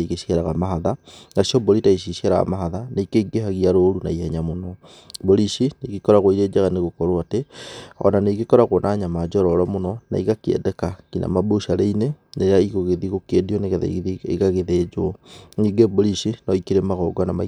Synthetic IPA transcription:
iɣeʃieɾaɣamaɦaðanasiɔboɾitaiʃ̬iʃeɾaɣa̰maɦaðanaikeiɡeɦaɣiaɾoɾuna̰ihɛɲamonɔ | boɾiʃineɣikɔɾaɣoiɾeːd͡ʒaɣaneɣokɔɾoateɔ̰naneiɡekɔɾaɣonʔaːɲamad͡ʒɔɾɔɾɔmonɔna̰iɣakiɛ̰dɛkakinʔa̰maboʃaɾeineneɾeaiɣoɣeðiɣokediɔneɣeða̰ḛɣaɣeðed͡ʒoniɡeboɾiʃinɔikiɾemaɣɔɡwanama̰

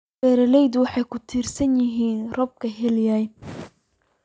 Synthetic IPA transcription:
ɛːɾɐlɛjd̪ʊwɑħɑjkʰʊt̪ʰiːrsɐnjɪɦiːnrɔb̚kʰɐɦɛljaj

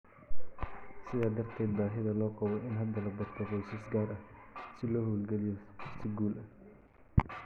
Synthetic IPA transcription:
sɪðaːd̪ɐrt̪ʰɛːd̪̚baːɦɪðɐlɔːqɑβɔʔɪnɦɐd̪ɐlɐbɐrt̪ʰɔɣɔjsɐsɡaːɾʔɐhsɪlɔːhoːlɡɛlɪjɔɪst̪ʰɪɡuːlɐ

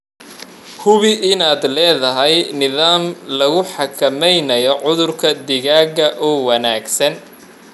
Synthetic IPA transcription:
hʊβɪʔɪnaːd̪lɛːðɐɦɛjnɪðaːmlɐɣʊħɑkʰɐmɛjnɐjɔʕʊðʊrkʰɐd̪ɪɣaːɡɐʔɔːwɐnaːɡsɐn

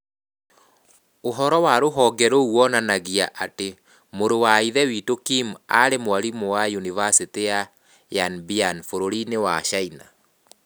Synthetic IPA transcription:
oɦɔɾɔwaɾoɦɔɡɛɾowɔnanaɣiaʔate | moɾowaiðɛwitokimaɾemoaɾimowajunivasiteja | janbianfoɾoɾinewaʃaina̰

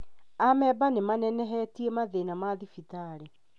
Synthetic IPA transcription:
amɛbanemanɛnɛɦɛtiemaðenamaðifitaɾe

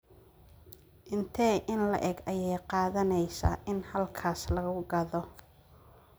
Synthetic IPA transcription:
ʔɪnt̪ʰɛːʔɪnlɐ̰ʔɛɡɐjɛjqɑːðɐnɛjsɐ̰ʔɪnhɐlkʰaːslɐɣʊɡɐðɔ

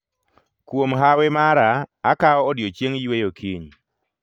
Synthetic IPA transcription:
kwomɦawemaɾaːkaɔːdjot͡ʃjeŋjwejokʰiɲ

